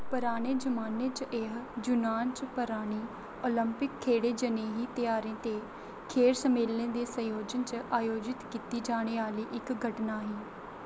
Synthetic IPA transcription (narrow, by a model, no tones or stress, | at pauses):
pəɾaːɽ̃eːd͡ʒəmaːnẽːt͡ʃʔeɦd͡ʒʊnaːnt͡ʃpəɾaːɽ̃iː | oːləmpɪkʰːeːɽeːd͡ʒəneːɦiːt̪ɪjaːɾẽːt̪eː | kʰeːɾsəmeːlnẽːd̪eːsə̃joːd͡ʒənt͡ʃaːjoːd͡ʒɪt̪kiːt̪iːd͡ʒaːɽ̃eːaːliːʔɪkɡʱəʈnaːɦiː